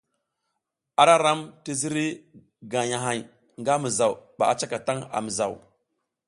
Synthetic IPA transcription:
a˦ɾa˦ɾa˦mti˦zi˦ɾi˦ | ɡa˨ja˨ɦa˨j | ŋɡa˦mi˨za˨wba̰˨a˦t͡ʃa˦ka˨ta˦ŋa̰˨mi˨za̰˨w

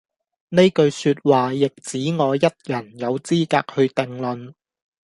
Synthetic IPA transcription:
ne˥jkɵ˧ɥsyː˧t̚waː˨jɪ˨k̚t͡siː˨˥ŋɔː˨˧jɐ˥t̚jɐ˨˩njɐ˨˧wt͡siː˥kaː˧k̚hɵ˧t̪ɪ˨˧ŋlɵ˨n

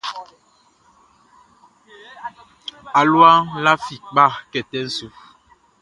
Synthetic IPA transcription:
a˨lwa˦ŋla˦fi˨k̚ɓa˦˨kɛ˨tɛ˦n̩˦su˨

